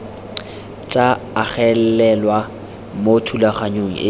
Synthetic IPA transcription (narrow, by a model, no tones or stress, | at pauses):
t͡sʼaː | χɛllɛlwa | motʰulaχaɲoŋ̩̰ʔɪ